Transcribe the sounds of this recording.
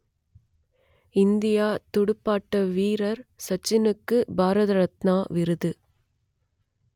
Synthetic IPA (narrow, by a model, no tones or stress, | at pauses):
ɪnd̪ɪjaːt̪ɔɽɯpːaːʈːɐʋiːɾɐɾsɐt͡ʃːɪnɯkːɯbaːɾɐðɐɾɐt̪naːʋɪɾɯðɯ